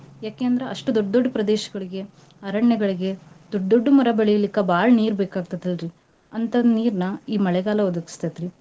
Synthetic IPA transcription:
jaːkejɐnd̪ɐɾeʔɐʂʈud̪oɖːd̪oɖːɐpɾɐd̪eːʃɐ̥ɡɐɭiɡe̞ | ɐɾɐɳjɛɡɐɭiɡe̞d̪̥oɖd̪oɖːumɐɾɐbɐɭɛjɐlikːɐbaːɭɐniːɾbeːkaːɡ̚t̪ɐd̪ɐlɾi | ɐnt̪ɐniːɾnɐiːmɐɭɛɡaːlɐɔd̪ɐki̥st̪at̪ɾi

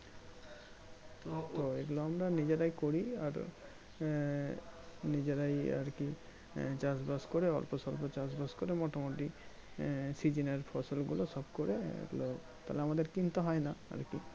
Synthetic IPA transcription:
t̪oeɡuloamɾanid͡ʒeɾajkoɾia̰ɾ | nid͡ʑeɾaja̰ɾki | t͡ʃasbaskɔɾeɔ̰lpɔsɔlpɔt͡ʃasbaskɔɾemɔʈamoti | sid͡ʑineɾpʰɔsɔlɡulosɔbkoɾeḛɡulo | t̪alɛamad̪eɾkint̪ɔɦɔjnaa̰ɾki

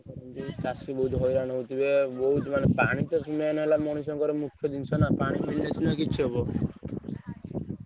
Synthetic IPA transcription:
ɾɔnd͡ʒit͡ʃasibɔɦut̪ɦojɾaɽ̃ɔ̃ɦut̪ibebɔɦut̪manepaɽ̃it̪ɔsuneanɔɦelamɔɽ̃is̬ɔŋkɔɾemukʰjɔd̪int͡ʃʰɔnapaɽ̃imiɭinet͡ʃʰinakit͡ʃʰiɦebɔ

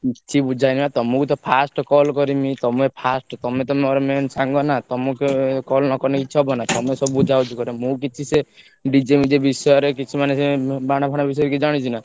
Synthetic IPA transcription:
t͡ʃʰibud͡ʒʱajnimat̪ɔmukut̪ɔpʰasʈɔkɔlkɔɾimit̪ɔmepʰasʈɔt̪ɔmet̪̬ɔmeɔɾemensaŋɡɔnat̪ɔmukekɔlnɔkɔɾnekit͡ʃʰiɔbɔnat̪ɔmesɔbubud͡ʒʱawt͡ʃʰukɔɾemũk̬it͡ʃʰise | ɖid͡ʒemid͡ʒebisɔjɔɾekit͡ʃʰimanesebaɽ̃apʰaɽ̃abis̬ɔjɔɾkid͡ʒaɽ̃it͡ʃʰina

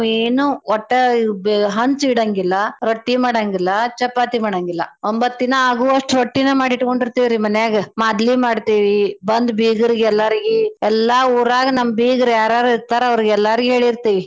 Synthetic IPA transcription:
eːnuɔʈːɐbɦɐnt͡ʃiɽɐŋɡilːɐɾoʈːimaːɽaːŋɡilːɐt͡ʃɐpːaːt̪imaːɽaŋɡilːɐ̰ombɐt̪ːinɐaːɡuːɐʂʈɾoʈːinɐmaːɽiʈko̞ɳɖiɾt̪iːʋiɾimɐnjaːɡɐmaːd̪limaːɽt̪iːʋibɐnd̪biːɡɐɾiɡeɛlːɐɾiɡiɛlːauːɾaːɡɐnɐmːɐbiːɡɐɾjaːɾaːɾuiɾt̪aːɾɐʋɐɾiɡɛlːaɾiɡɦeːɭiɾt̪iːʋi

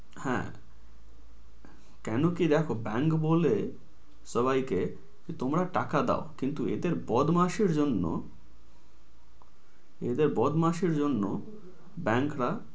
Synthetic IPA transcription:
hɛ̰̃ | kɛnokid̪ɛkʰobɛŋkbole | ʃɔβajke | kit̪omɾaʈakad̪a̰okint̪uḛd̪eɾbɔd̪maʃeɾd͡ʑonːo̰ | ḛd̪eɾbɔd̪maʃeɾd͡ʑonːo̰ | bɛŋkɾa

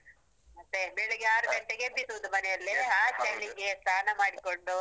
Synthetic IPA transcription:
ɐt̪ːebeɭeɡeaːɾubeɳʈeɡebit̪ːuʋɐnd̪umɐnɛjɐlːiaːt͡ʃɐjliŋɡest̪ʰaːnɐmaːɽikoɳɖu

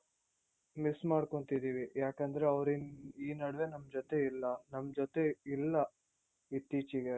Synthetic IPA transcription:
mismaːɽko̞ɳt̪id̪iːʋijaːkɐnd̪ɐɾe̞ɐʋɾiniːnɐɽɐʋe̞nɐmːɐd͡ʒot̪e̞ilːɐnɐmːd͡ʒot̪e̞ilːɐ | it̪ːiːt͡ʃiɡe

